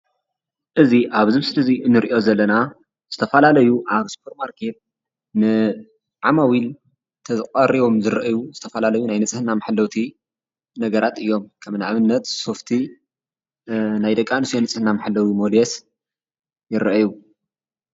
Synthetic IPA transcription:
ʔɨziʔaβzɨmsɨlɐziɨnːɨɾʔo̞zɐlːɐna | z̥ɨt̪ʰɐfɐlalɐjuʔaβspʰoɾmaɾkʰe̞t̪̚ | nɨ | ʕamawil | t̪ʰɐzɨqʼɐɾiβo̞mzɨɾɐʔjuzɨt̪ʰɐfɐlalɐjunajnɨt͡sʼɨhɨnamaħlːɐwt̪ʰi | nɐɡɐɾʔat̪ɨjːo̞mkʰɐmnaʕβɨnːɐt̪so̞ft̪ʰi | najd̪ɐkʼːanɨsjonɨt͡sʼɨhɨnamaħɨlːɐwimolɛs | jɪɾɐʔɐju

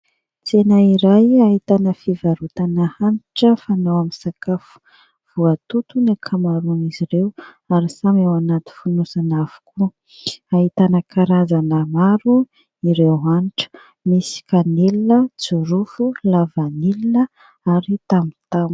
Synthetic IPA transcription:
t͡senaiɾajaɦit̪anəfivaɾut̪anəhaniʈ͡ʂəfanawaminsakafu̥ | v̥uat̪ut̪unakʰamaɾuniziɾew | aɾisamawanat̪i̥funusanav̥u̥ku | aɦit̪anəkʰaɾazanəmaɾu | iɾewɦaniʈ͡ʂə̥ | misi̥kanelinət͡suɾufulavanilinə | aɾit̪amit̪am

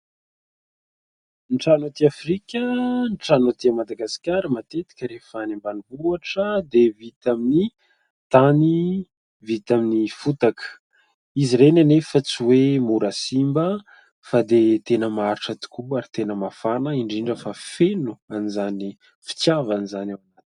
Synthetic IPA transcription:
nʈ͡ʂanot̪iafrikʲənʈ͡ʂanot̪iamad̪aɡasi̥kʲaɾəmat̪et̪i̥kʲəɾefanembanivuaʈ͡ʂəd̪evit̪amini | t̪ani | vit̪aminifut̪akə̥ | iziɾenanefət͡siwemuɾasimbə | fad̪et̪enəmaaɾiʈ͡ʂət̪u̥kuaɾit̪enəmafanəiɳɖ͡ʐiɳɖ͡ʐəfafenuanizani | fi̥t͡sjavanizanawanat̪i̥

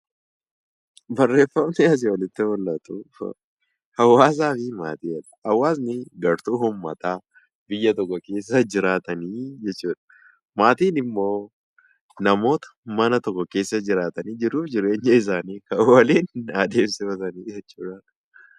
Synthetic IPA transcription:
bɐrːe̞ːfːɐmnɛɐs̬ɪwɐlɪt̪ːɪmɔlːɐt̪ṵ | hɐwːaːs̬aːfɪmaːt̪iːɐᶑɐ̥hɐwːaːsnɪɡɐɾt̪uːhʊmːɐt̪aː | bɪjːɐt̪ɔkːɔke̞ːsːɐd͡ʒɪɾaːt̪ɐniːd͡ʒɛt͡ʃːuːᶑɐ̥ | maːt̪iːnɪmːo̞ː | nɐmo̞ːt̪ɐ̥mɐnɐt̪ɔkːɔke̞ːsːɐd͡ʒɪɾaːt̪ɐniːd͡ʒɪɾuːfd͡ʒɪɾe̞ːɲːɐɪs̬aːniːkɐwɐleːnːd̪e̞ːmsɪfɐt̪ɐniːd͡ʒɛt͡ʃːuːᶑaːn

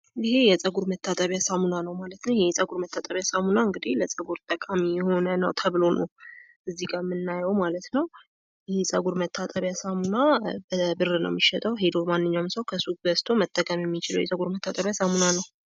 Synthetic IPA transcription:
ɪhe̞jɛt͡sʼəɡuɾmət̪ʰːat̪ʼəβjasamunanəwmalət̪nəwjɛsʼəɡuɾmət̪ʰːat̪ʼəβjasamunaɨŋɡɨd̪ihləsʼəɡuɾt̪ʼəkʼamijɛho̞nənəwt̪ʰəβlo̞nə | ʔɨzːiɡaɾmɨnːajəwmalət̪nəw | ɪhesʼəɡuɾmət̪ʰːat̪ʼəβjasamunabəbɨrːɨnə̰wmːiʃɛt̪ʼəwɦed̪o̞manːɨɲːawmsəwkʰəsukbəst̪ʰo̞mət̪ʼːəkʼəmjɛmːit͡ʃɪləwjɛsʼəɡuɾmət̪ʰːat̪ʼəβjasamunanəw

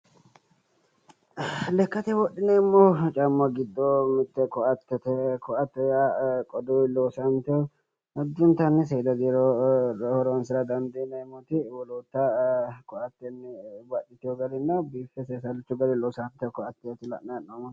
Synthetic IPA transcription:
lɛkːɐt̪ɛwɔɗːɪnɛɪmːoːt͡ʃʼɐmːɐɡɪd̪ːomɪt̪ːɛkɔʔɐt̪ːɛt̪ɛkɔʔɐt̪ːɛjakʼɔd̪oloːsɐnt̪ɛɔ | ɐd̪ːʊnt̪ɐnːɪs̬eːd̪ɐd̪iɾohɔɾɔnsɪɾɐd̪ɐnd̪eːnɐɪmːɔt̪ɪwɔlot̪ːɐkɔʔɐt̪ːɛnːɪbɐᶑɪt̪ɪjɔɡɐlɪnːɐbifɛseːsɐlɪt͡ʃːʊɡɐd̪ɛloːsant̪ɛkɔɐt̪ːɛjɐt̪ɪlɐ̰ʔanːɐmɔ̥

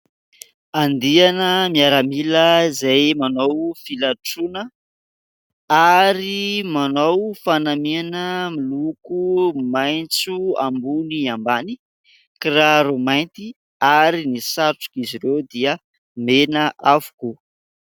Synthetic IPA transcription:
and̪ianəmiaɾamiləzajmanowfilaʈ͡ʂunə | aɾimanowfanamianəmilukumajnt͡sua̰mbuniambani | kiraɾumajnt̪i | aɾinisaʈ͡ʂu̥kiziɾewd̪iə | menəʔavu̥ku

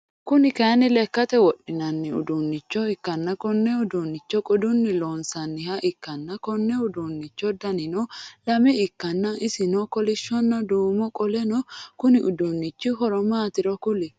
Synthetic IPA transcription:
kʊnɪkɐjnɪlɛkːɐt̪ɛwɔɗːɪnɐnːɪʊ̰d̪unːɪt͡ʃːɔɪkːɐnːɐkɔnːɛʊd̪uːnːɪt͡ʃːɔkʼɔd̪ʊnːɪloːnsɐnːɪhɐʔɪkːɐnːɐkɔnːɛʊd̪uːnːɪt͡ʃːɔd̪ɐnɪnɔlɐmɛɪkːɐnːɐʔɪsɪnɔkɔlɪʃːɔnːɐd̪uːmɔkʼɔlɛnɔkʊnɪʔʊd̪unːɪt͡ʃːɪɦɔɾɔmaːt̪ɪɾɔkʊlɪ

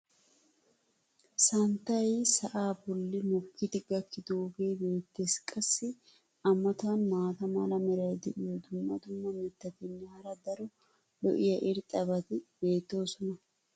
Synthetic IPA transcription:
sɐnt̪ːɐjsɐʔaːbɔlːɪmɔkːɪt̪ɪɡɐkʰːɪd̪oːɡe̞ːbe̞ːt̪ːe̞ːskʼɐsːɪ | ɐmːɐt̪ɐnmaːt̪ɐmɐlɐmɛɾɐjd̪ɛʔɪjɔd̪ʊmːɐt̪ʊmːɐmɛt̪ːɐt̪ɛnːɛhɐɾɐd̪ɐɾɔ | lɔ̰ʔɪjɐʔɪɾt̪ʼɐbɐt̪ɪbe̞ːt̪ːo̞ːsɔnɐ

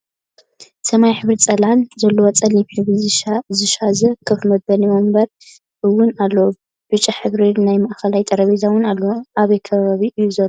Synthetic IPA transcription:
sɐmajħɨβɾit͡sʼɐlanzɐlːowɐt͡sʼɐliħɨβizɨʃazɨʃazɐkʰɨfmɐbɐniwombɐɾ | ʔɨwːʊnalːow | b̥ɨt͡ʃʼɐħɨβɾinajmɐʔxɐlajt̪ʼɐɾɐβizawʊnalːoʔaβɐjkʰɐβaβiʔɨjːuzɐlo

